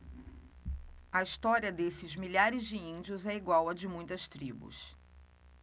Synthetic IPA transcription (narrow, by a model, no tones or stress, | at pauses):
ɐist̪ɔɾiɐd̪esɪzmiʎaɾɪzd͡ʒɪĩd͡ʒiʊzɛiɡwawɐd͡ʒɪmũj̃t̪ɐst̪ɾibʊ̰s